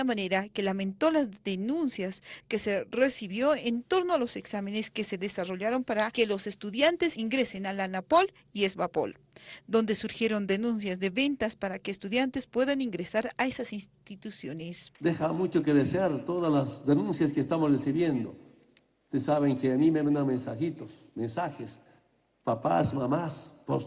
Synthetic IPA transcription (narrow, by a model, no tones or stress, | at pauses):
amane̞ɾake̞lamẽ̞nt̪o̞lazðenunsjaske̞se̞resiβjo̞ent̪o̞ɾnoalo̞se̞ksame̞neske̞se̞ðe̞saro̞ʎaɾo̞mpaɾake̞lo̞se̞st̪uðjant̪esiŋɡɾe̞se̞nalanapo̞l | iezβapo̰l | d̪o̞nd̪e̞suɾxje̞ɾo̞nd̪enũns̬jazðe̞βe̞nt̪aspaɾakeːst̪uðjant̪e̞spwe̞ðaniŋɡɾesaɾaesasinst̪i̥t̪it̪usjonesd̪examut͡ʃokeðeseaɾt̪oðazlasd̪enũnsjaskest̪amosresiβjend̪o | t̪esaβeŋkeanimemanamensaxit̪osmensaxes | papa̰smamaspo̰s